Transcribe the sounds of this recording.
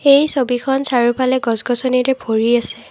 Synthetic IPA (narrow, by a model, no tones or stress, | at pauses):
ejsobikʰɔnsaɹupʰalɛɡɔzɡɔsɔniɹɛbʱoɹiasɛ